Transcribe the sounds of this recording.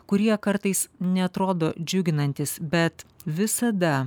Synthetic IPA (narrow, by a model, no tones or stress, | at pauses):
kʊɾʲiɛkɐɾt̪ɐɪsnʲɛɐt̪ɾoːd̪oːd͡ʒʲʊɡʲɪnɐnʲt̪ʲɪsbʲɛt̪ʋʲɪsɐd̪ɐ